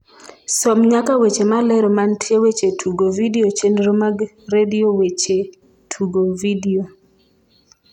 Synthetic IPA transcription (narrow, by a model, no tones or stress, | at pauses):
sɔmɲakawet͡ʃemalɛɾɔmantʰjewet͡ʃetʰuɡovidiot͡ʃenɾomaɡ | rediowet͡ʃe | tʰuɡovidio